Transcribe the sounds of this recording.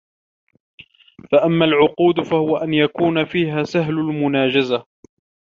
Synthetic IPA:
faʔamːalʕʊquːd̪fahʊwaʔanjakuːnafiːɦaːsaɦlʊlmʊnaːd͡ʒaza

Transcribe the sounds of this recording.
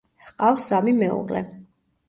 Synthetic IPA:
qʼafsamimɛṵʁlɛ̰

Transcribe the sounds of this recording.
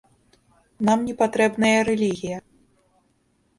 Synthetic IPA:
namnʲɛpat̪ɾɛbnɐjɐɾɛlʲiɣʲijɐ

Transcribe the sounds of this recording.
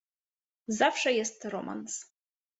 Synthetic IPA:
zafʂajast̪ʰɨromʔa̰ns

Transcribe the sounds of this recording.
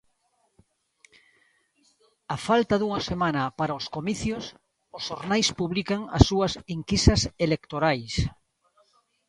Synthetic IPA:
afalt̪aðuŋasemãnɐpaɾaoskomiθjos | osoɾnajspuβlikaŋa̰sːuɐsiŋkisaselekt̪oɾajs

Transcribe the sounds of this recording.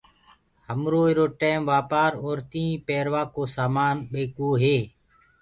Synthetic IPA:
həmɾoːiɾoːʈeːmʋaːpaːɾoːɾt̪ĩːpeːɾʋaːkoːsaːmaːnɓeːkoːɦeː

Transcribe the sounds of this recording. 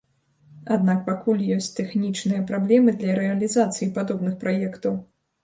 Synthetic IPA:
ad̪nak̚pakulʲjɔsʲt͡sʲt̪ɛxnʲit͡ʂnɨjɐpɾablʲɛmɨd̪lʲɐɾɛɐlʲizat̪sɨjipad̪ɔbnɨxpɾajɛkt̪ɐw

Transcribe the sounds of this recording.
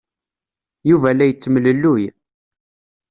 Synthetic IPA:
juvælæjət͡sːəmləlːuj

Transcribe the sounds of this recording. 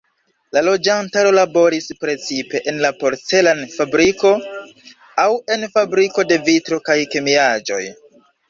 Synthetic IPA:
lalo̞d͡ʒantaɾo̞labo̞ɾispɾe̞t͡sipe̞ʔenlapo̞ɾt͡se̞lanfabɾiko̞ | awe̞nfabɾiko̞de̞vitɾo̞kajke̞miad͡ʒo̞̰j

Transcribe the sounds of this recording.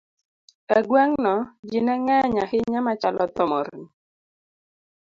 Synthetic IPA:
ɛɡwɛŋnɔd͡ʒinɛŋɛɲahɪɲamat͡ʃalɔt̪ɔmɔɾni

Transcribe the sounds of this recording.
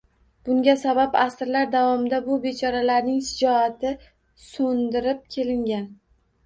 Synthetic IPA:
b̥ʊŋɡʲasababasɾlaɾd̪avɒmɪd̪abʊbe̞t͡ʃʰɒɾalaɾnɪŋʃɪd͡ʒɒat̪ʰɪ | sond̪ɪɾɪp̚kʲʰe̞lɪŋɡʲan

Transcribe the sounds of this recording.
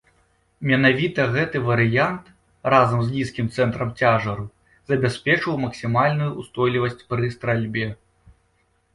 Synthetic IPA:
mʲɛnavʲit̪ɐɣɛt̪ɨvɐɾɨjant̪ | razɐmzʲlʲiskʲimt̪sɛnt̪ɾɐmt͡sʲaʐɐɾu | zɐbʲasʲpʲɛt͡ʂɐwmɐksʲimalʲnujuʔust̪ɔjlʲivɐsʲt͡sʲpɾɨst̪ɾalʲbʲɛ

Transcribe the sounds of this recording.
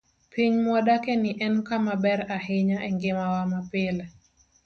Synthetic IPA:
piɲmwɔdakɛnɪʔɛnkamabɛɾahɪɲaʔɛŋɡɪmawamapɪlɛ

